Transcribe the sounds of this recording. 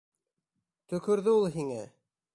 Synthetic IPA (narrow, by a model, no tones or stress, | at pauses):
t̪ɵ̆kɵ̆ɾðɘulˠɦiŋæ̰